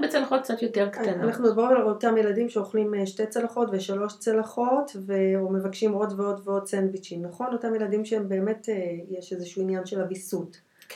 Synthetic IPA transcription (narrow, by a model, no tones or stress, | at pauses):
bet͡selaχot̚k̚t͡sat̪joteʁkat̪ananaχnuibaʁimalalotamjeladimʃeo̞χlimʃte̞t͡selaχo̞tveʃalo̞ʃt͡selaχo̞tve̞ome̞vakʃimo̞dveo̞dveo̞d̚t͡senbit͡ʃinnːaχo̞notamjeladimʃeembe̞ːme̞tejeʃezeʃuinjanʃelabisut